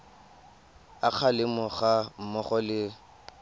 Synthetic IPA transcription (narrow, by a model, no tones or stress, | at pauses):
ak͡xʰalɪmɔχam̩mɔχɔlɪ